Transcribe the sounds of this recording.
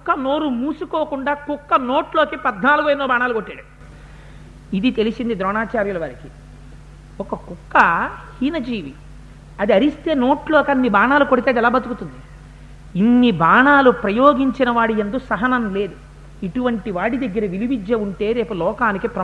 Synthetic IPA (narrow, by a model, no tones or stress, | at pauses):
kːɐno̞ːɾumuːsukoːkuɳɖaːkukːɐno̞ːʈlo̞ːkipɐd̪naːluɡuɐjnːoːbʱaːnaːlukoʈːaːɽu | id̪it̪e̞lisind̪id̪ɾɔːɳaːt͡ʃaːɾjulɐʋɐɾɐki | ɔkɐkukːɐhiːnɐd͡ʒiːʋi | ɐd̪iɐɾist̪e̞ːno̞ːʈloːkɐnːibʱaːɳaːlukoɽit̪eɐd̪iɛlaːbɐt̪ukut̪und̪i | inːibʱaːɳaːlupɾɐjoːɡiɲt͡ʃinɐʋaːɽijɐnd̪usɐɦɐnɐmle̞ːd̪u | iʈuʋɐɳʈiʋaːɽid̪ɐɡːɐɾɐʋilibid͡ʒːɐuɳʈe̞ːɾe̞ːpulɔːkaːnikipɾɐ